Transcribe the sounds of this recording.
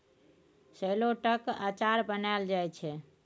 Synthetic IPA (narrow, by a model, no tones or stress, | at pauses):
səjloʈəkat͡ʃaɾbənaeld͡ʒajt͡ʃʰɛ